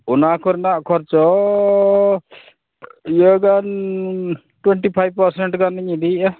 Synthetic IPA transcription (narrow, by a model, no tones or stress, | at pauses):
unakʰɔɾnaʔkʰɔɾt͡ʃɔ | jəɡan | ʈweɳʈipʰajb̚pəɾseɳʈɡaniɲid̪i